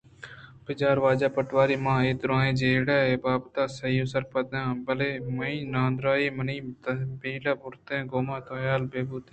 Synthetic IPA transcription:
bɪd͡ʒaːɾʋaːd͡ʒaːpəʈʋaːɾiːmãːeːt̪ɾãːẽːd͡ʒeːɽaːeːbaːbt̪aːsɐiːʊ̃səɾpəd̪ãːbəleːmɐĩːnãːnd̪ɾaːiːməniːt̪əbiːlaːbʊɾt̪ẽːɡoːmãːt̪õːjaːlbeːbuːt̪ː

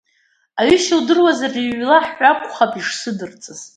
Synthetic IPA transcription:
aɥʏʃaldɨrwazariʕʷlaħːʷakʷʰʼχapʼiʂsɨdɨrt͡sʼɨz̥

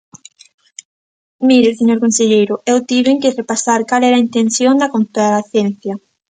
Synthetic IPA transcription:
miɾɪseɲoɾkõnseʎejɾʊewt̪iβeŋkɪrepasaɾkalɛɾɐint̪enθjoŋd̪ɐkont̪aɾaθjɛn̟θjɐ

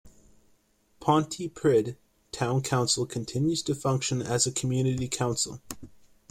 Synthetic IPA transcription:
pʰɑ̃ntʰipʰɹ̥ɪd̚ | tʰãʊ̃nkʰãʊ̃nsl̩ˠkʰɨ̃n̩tʰɪ̃njʉz̥tʰɨfʌ̃ŋkʃɨ̃nɨzɨkʰmjʉnɨɾikʰãʊ̃nsl̩ˠ

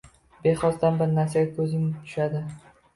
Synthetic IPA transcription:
beχɒsd̪anbɪɾnasijakʰɵzɪmt̪ʰʊ̥ʃad̪ɪ

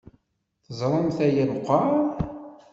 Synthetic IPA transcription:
θəzˤɾˤəmθæjælqʷːɑ

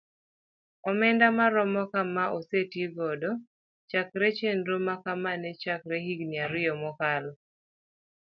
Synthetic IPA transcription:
ɔmɛndamaɾɔmɔkamaʔosetjiɡɔdɔ | t͡ʃakɾɛt͡ʃendɾomakamanɛt͡ʃakɾehiɡniaɾɪjɔmɔkalɔ

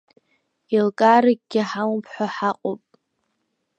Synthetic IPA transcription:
ilkʼaːɾɨɡ̚ʲʼɡʲɪħampʰħʷaħaqʼopʼ

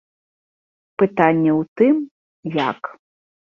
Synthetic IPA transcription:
pɨt̪anʲːɛwt̪ɨm | ja̰k

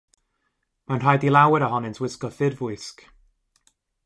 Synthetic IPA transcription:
manr̥ajdilˠawɪɾaɦɔnɪntʰwɪskɔθɪdvʊjsk

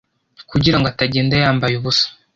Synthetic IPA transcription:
kuɟiɾaŋɡoataɟeːndajaːmbajuβusḁ

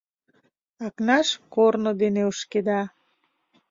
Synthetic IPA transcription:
ɑknɑʃkornod̪eneuʃked̪ɑ

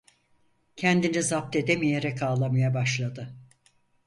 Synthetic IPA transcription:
cʰɛnd̪inizap̚t̪ʰe̞d̪emije̞ɾɛkaːlˠamajabaʃlˠad̪ɯ

